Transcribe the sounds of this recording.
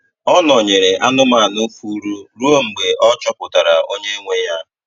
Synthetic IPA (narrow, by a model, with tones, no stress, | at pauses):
ɔ˦nɔ˨ɲe˨ɾe˨ʔa˦nʊ˦ma˦˨nʊ˦kʷu˦ɾu˦ɾu˦o˦ŋ͡m̩˨ɡ͡be˨ʔɔ˦t͡ʃɔ˦pʊ˨ta˨ɾa˨ʔo˦ɲe˦ŋʷe˨ja˦